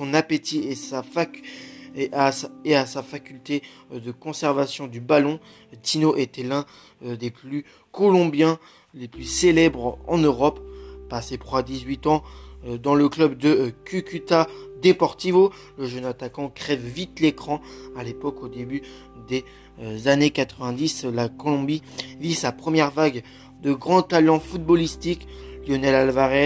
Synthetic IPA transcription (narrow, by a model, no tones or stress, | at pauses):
sɔ̃napet̪iesafa | ʔaeasafakʲylt̪e | d̪əkɔ̃sɛʁvasjɔ̃d̪ybalɔ̃ | t̪inoʔet̪ɛlɛ̃ | d̪eply | kɔlɔ̃bjɛ̃ | leplyselɛbʁɑ̰̃nøʁɔpːasep̪χwad̪izɥit̪ɑ̃d̪ɑ̃ləklœbd̪əkʲykʲyt̪ad̪epɔʁt̪ivo | ləʒənat̪akɑ̃kχɛvvit̪lekχɑ̃alepɔkod̪eby | d̪e | zanekat̪χəvɛ̃d̪islakɔlɔ̃bivisapχəmjɛʁvaɡ | d̪əɡʁɑ̃t̪alɑ̃fut̪̚bɔlist̪ikljɔnɛlalvaʁɛ